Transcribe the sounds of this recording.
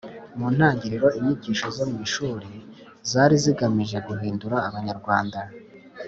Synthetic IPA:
muːn̥haːɲɟiɾiɾo̞iɲiɟiːʃozomuwiːʃuːɾi | zaːɾiziɡamiʒe̞ɡuɦiːnduɾaːβaɲaɾɡwaːnda

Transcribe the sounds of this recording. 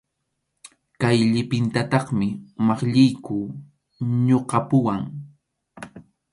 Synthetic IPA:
kajʎɪpɪnt̪at̪ɑχmɪmɑχʎɪjkʊː | ɲoqɑpʊwaŋ

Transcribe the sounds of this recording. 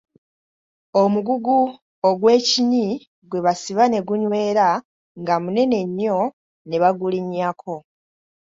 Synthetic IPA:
omuɡuɡu | oɡwe̞ːciɲi | ɡwe̞βasiβane̞ɡuɲwe̞ːɾa | ŋɡamune̞ne̞ɲːo̞ | neβaɡuliɲakʰo̞

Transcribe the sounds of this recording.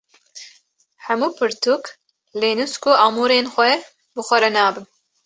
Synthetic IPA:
hɛmuːpʰɨɾt̪uk | leːnuskuʔɑːmuːɾeːnxʷɛ | bɨxʷɛɾɛnaːbɨn

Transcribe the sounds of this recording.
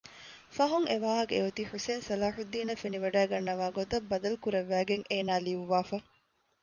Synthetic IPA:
fɐɦuŋeʋaːɦɐkeut̪iħuseːnsɐlaːħud̪ːiːnɐfeniʋɐɖæːɡɐnːɐʋaːɡot̪ɐbːɐd̪ɐlukuɾɐʋːæːɡeŋeːnaːliʋuʋaːfɐ

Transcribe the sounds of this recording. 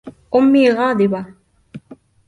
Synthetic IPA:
ʔʊmːiːɣɑːd̪ɪba

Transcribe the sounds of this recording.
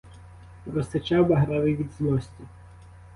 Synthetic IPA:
ɾɔst̪ɐt͡ʃawbɐɦɾaʋɪʋʲid̪zlˠɔsʲtʲi

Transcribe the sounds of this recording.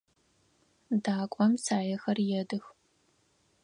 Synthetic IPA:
daːkʷʼɔmsaːjɐxɐrjɛdɨx

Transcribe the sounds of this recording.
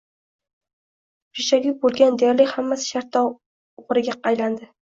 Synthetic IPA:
pʰɪʃaɡʲʊbolˠɡʲand̪eɾlɪkʲhamːasɪ̥ʃaɾt̪ʰːɒ | ʊʁɾɪɡʲaɑjland̪ɪ

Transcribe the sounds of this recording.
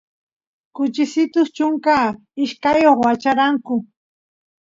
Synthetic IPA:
kʊt͡ʃɪsɪt̪ʊst͡ʃʊŋkaː | ɪʃkajoχwat͡ʃaɾaŋkʊ

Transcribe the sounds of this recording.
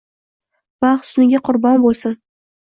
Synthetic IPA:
baχsʊnɪɡʲaqʰʊɾbɒnbolˠsɪn

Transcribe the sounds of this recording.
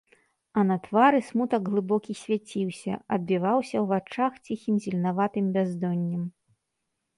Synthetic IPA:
ɐnɐt̪vaɾɨsmut̪ɐɡɣlˠɨbɔkʲisʲvʲat͡sʲiwsʲɐ̰ɐd̪̚bʲivawsʲɐwvat͡ʂaxt͡sʲixʲimzʲilʲnavat̪ɨmbʲazd̪ɔnʲːɐm

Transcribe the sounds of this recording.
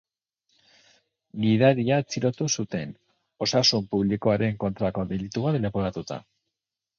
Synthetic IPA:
ɡiðaɾiat͡siɾo̞t̪usut̪e̞n | o̞sasumpuβliko̞aɾe̞ŋko̞nt̪ɾako̞ðilit̪uβat̪lepoɾat̪ut̪a̰

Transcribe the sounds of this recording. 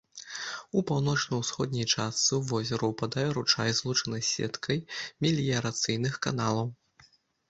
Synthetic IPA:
upawn̪ɔt͡ʂnɐwsxɔd̪̚ʲnʲijt͡ʂast̪sɨuvɔzʲɛɾuwpad̪ajɛɾut͡ʂa̰jzlˠut͡ʂɐnɐjsʲɛ̰t̪kʰɐjmʲilʲijɐɾat̪sɨjnɨxka̰n̪alˠɐw

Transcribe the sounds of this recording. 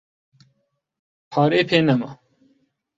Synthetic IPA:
pʰaːɾeːpʰeːnɐmɐ̰

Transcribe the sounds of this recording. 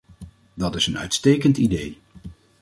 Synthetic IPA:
dɑtɪsənœ̰ɥtstejkəntidej

